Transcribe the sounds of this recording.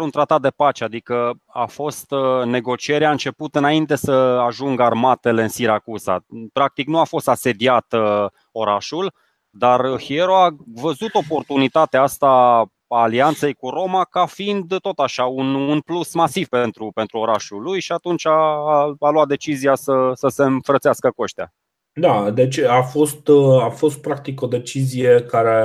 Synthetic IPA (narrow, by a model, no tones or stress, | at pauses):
ɾunt̪ɾat̪at̪̚d̪epat͡ʃead̪ikə | a̰fo̞st̪ne̞ɡo̞t͡ʃie̞ɾaɨnt͡ʃe̞put̪ɨnaint̪e̞səaʒuŋɡəarmat̪e̞le̞ɨnsiɾakuza̰pɾak̚t̪iknuafo̞st̪ase̞d̪iat̪ | o̞ɾaʃul | d̪arhieɾoavəzut̪o̞po̞rt̪unit̪at̪eaast̪a | aːliant̪se̞jkuɾo̞makafiind̪ːot̪aʃaununplusmasiv̥pent̪ɾupent̪ɾuo̞ɾaʃulujʃiat̪unt͡ʃaː | lwat̪̚d̪et͡ʃizijasəsəse̞ɨɱfɾət̪seaskəkoʃt̪ea̰ | d̪ad̪e̞t͡ʃʲafo̞st̪afo̞st̪̚pɾak̚t̪iko̞d̪e̞t͡ʃizijekaɾe